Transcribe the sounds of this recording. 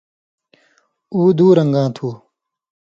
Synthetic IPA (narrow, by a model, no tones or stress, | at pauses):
uːd̪uːɾɐŋɡãːt̪ʰuː